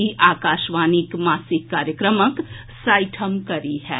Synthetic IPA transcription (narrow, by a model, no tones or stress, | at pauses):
iʔaːkaːʃʋaːnikmaːsɪkːaːɾjəkɾəmək | saːɪʈʰəmkɐɾiɦɛ̰ː